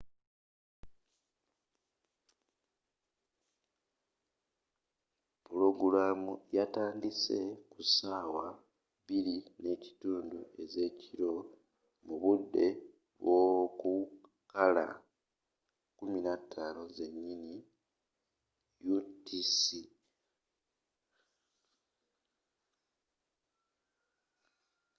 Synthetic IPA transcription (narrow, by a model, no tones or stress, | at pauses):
pulo̞ɡuɾaːmujataːndise̞kusaːwa | βiɾine̞ːci̥tuːndue̞ze̞ːciɾo̞ | muβudːe̞ | βwo̞ku | kala̰ | kuminatʰːaːno̞ze̞ɲːini | jutisi